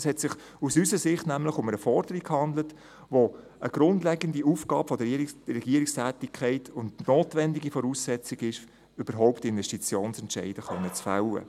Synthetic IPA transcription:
shɛtsɪχ | usysəsɪχtnæmlɪχʊməɾəfɔɾd̥əɾikkːhɑnd̪lət | ʋo | əɡ̥ɾʊndlɛɡəndiuːfɡɑːpfɔd̥əɛɡiəɾɪkstʰæːtɪkʰæɪtʰʊndnoːtʋɛndiɡifɔɾuːsːɛt͡sɪɡɪʃ | yb̥əɾɦɔʊptɪnvɛʃtit͡sjoːnsɛntʃɛ̰ɪd̥əχœnːət͡sfa̰wə̰

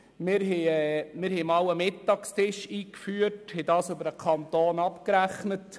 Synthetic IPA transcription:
mɪɾɦɛɛmɪɾhɛmɑwəmɪtːɑːkstɪʃiːkfyːəthɛdɑːsøbəɾəkʰɑnt̪oːnɑpkɾæχnət

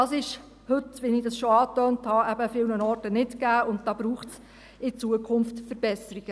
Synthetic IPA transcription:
ɑːsɪʃ | hɵtʋɪnɪdɑsʃoɑːtœːnthɑæbəfɪlnənɔrtənɪtkæːʊnt̚d̥ɑːb̥ɾuːχts | ɪt͡suəkʰʊnftfəɾb̥ɛsəɾiɡ̥ə

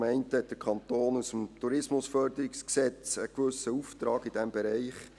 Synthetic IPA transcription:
mɛɪnthɛt̚d̥əɾkʰɑnt̪oːnusəmtuɾɪsmʊsfœrd̪əɾɪksksɛt͡səkʋʏsəuft̪ɾɑːɡɪd̥ɛmbɛɾɛɪχ

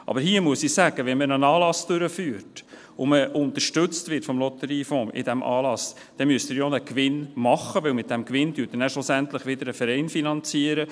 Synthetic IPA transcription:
ʔɑ̰bəɾɦiːəmuəsisæɡ̥əʋɛnmənənɑːlɑsd̥øɾəfyːɾt | ʊməʔʊnt̪əʃtʏt͡stvɪtfɔmlɔt̪əɾiːfɔ̃ːʔɪ̰dæmʔɑ̰ːlɑs | d̥ɛmyəstɪɾjonəkʋɪnmɑχəʋɪwmɪt̪̚d̥ɛmkʋɪnd̥̪yːt̚ənæʃlʊsænt̪ləχʋɪd̪əɾəfəɾɛɪnfinɑnt͡siːəɾə

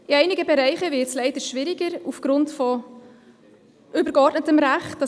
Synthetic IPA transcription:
ɪɛɪnɪɡəbɛɾɛɪχəvɪt͡slɛɪdəʃvɪɾɪɡəɾufɡ̥ɾʊntfɔ | ʔʏbəɾɡɔrtnətəmɾæχtd̥ɑ

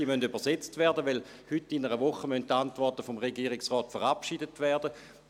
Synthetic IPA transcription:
imøndybəɐset͡stvɛɐdəʋɛl | hytːinəʁəʋuχəmœnttːantvɔʁtəfomʁeɡiːʁɪksʁɔːtfəʁapʃidətʋɛɐd̥ə

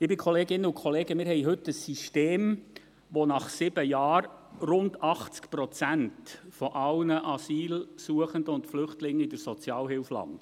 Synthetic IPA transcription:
ɪbɪkʰoleːɡɪnːəʊkʰχɔleːɡəmɪːɾɦɛjɦɵtːəsːiʃteːm | ʋonɑχsɪb̥əjɑːɾrʊndɑχt͡skpɾɔt͡sæntfɔʔɑwnəʔɑsiːlsuəχəndəʊntflʏχtlɪŋːɪdəɾsɔt͡sjɑːlɦɪlflɑ̰nd

